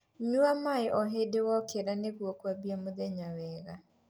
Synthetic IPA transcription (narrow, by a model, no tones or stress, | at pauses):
ɲuamaeʔɔɦedewɔkeɾaneɣwokwabiamoðɛɲawɛɣa